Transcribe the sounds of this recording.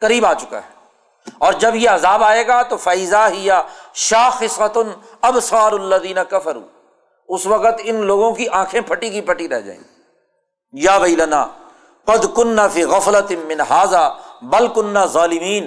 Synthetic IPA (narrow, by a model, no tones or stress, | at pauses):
kɐɾiːbaːt͡ʃʊka̰ːɦɛː | ɔːɾd͡ʒɐbjeɐzaːbaːeːɡaːt̪ofaːizaɦɪjaʃaːxɪsɾɐt̪ʊn | ɐbsaːɾlːɐðiːnɐkɐfɐɾṵː | ʊsʋɐqət̪ɪnloːɡõkiʔãːkʰẽpʰɐʈikipɐʈiɾɛ̰ɦd͡ʒa̰ːḛ̃i | jaːʋɐɪlɐnaː | qɐd̪kʊnːaːfiːɣɐflɐt̪mɪ̃nɦaːzaːbɐlkʊnːaːzaːlɪmiːn